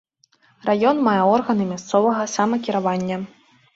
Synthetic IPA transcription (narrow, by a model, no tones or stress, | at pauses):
rajɔnmajɛɔrɣɐnɨmʲast̪sɔvɐɣɐsamɐkʲiɾavanʲːɐ